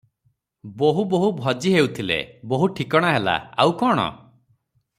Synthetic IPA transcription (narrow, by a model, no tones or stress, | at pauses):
boɦuboɦubʱɔd͡ʒiɦewt̪ʰilḛboɦuʈʰikɔɽ̃aɦela̰awkɔɽ̃ɔ̰